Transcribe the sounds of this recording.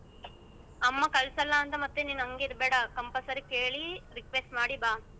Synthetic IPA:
ɐmːɐkɐlsɐlːɐːnt̪ɐmɐt̪ːeninɐŋɡiɾbeːɽɐkɐmpɐsɐɾikeːɭiɾikʋesʈmaːɽibaː

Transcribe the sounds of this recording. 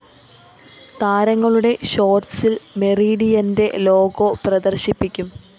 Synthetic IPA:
t̪aːɾɐŋːɐɭuɽe̞ɕo̞ːrsilme̞riːɽijɐnde̞lo̞ːɡoprɐd̪ɐrɕipːikʲːum

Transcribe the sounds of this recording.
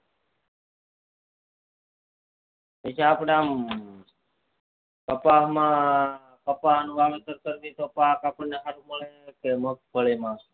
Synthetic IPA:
et͡ʃʰaːpɽeaːm | kəpaɦmã | kəpaɦnũʋaʋet̪əɾkəɾd̪it̪opaːkaːpəɳneɦaɾũməɭekemək̚bʱəɭimãː

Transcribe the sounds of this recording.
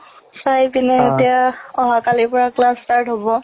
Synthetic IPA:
sajpinɛetijaɔɦakalipɔɹaklastaɹtɦɔbɔ

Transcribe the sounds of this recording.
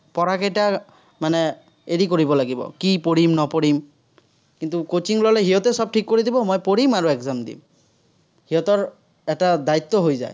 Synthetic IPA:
pɔɹakɛjta | manɛ | eɹikoɹibɔlaɡibɔ̰kipoɹimnɔpoɹim | kint̪ukot͡ʃiŋlɔlɛɦiɔt̪ɛsɔb̚tʰikːoɹid̪ibɔmojpoɹimaɹuɛkzamd̪ḭm | hiɔt̪ɔɹ | ɛtad̪ait̪ːɔɦojza̰j

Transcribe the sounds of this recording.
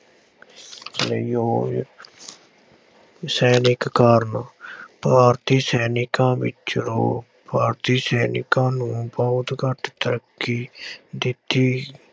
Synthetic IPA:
ljoː | sɛːnɪkːaːɾnpaːɾt̪iːsɛːnɪkãːʋɪ̰t͡ʃɾo̰ː | paːɾt̪iːsɛːnɪ̰kãːnũːpaːd̪ɡəʈt̪əɾəkːiːd̪ɪt̪ːiː

